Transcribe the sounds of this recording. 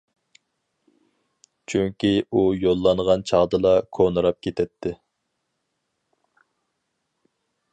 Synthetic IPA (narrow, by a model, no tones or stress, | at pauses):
t͡ʃʰyŋkʲiujolˠːɑnʁɑnt͡ʃʰɑʁd̪ɨlˠɑkʰonɨɾɑp̚kʲʰet̪ʰɛt̪ʰːɪ